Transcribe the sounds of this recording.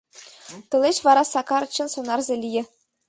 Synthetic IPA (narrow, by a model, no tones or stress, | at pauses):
t̪ɤ̆lʲˠeɕʋɑɾɑsɑkɑɾt͡ɕːɤ̆nsŏnɑrzʲelʲijɘ̆